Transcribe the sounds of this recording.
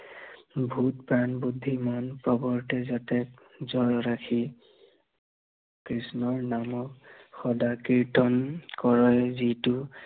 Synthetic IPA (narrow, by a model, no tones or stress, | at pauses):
bʱutpɹanbud̪ʱːimɔnpɔbɔɹtɛzatɛk̚ | zɔɹɔɹakʰi | kɹisnɔɹnamɔkxɔdakiɹtɔnkɔɹɔɛzitʊ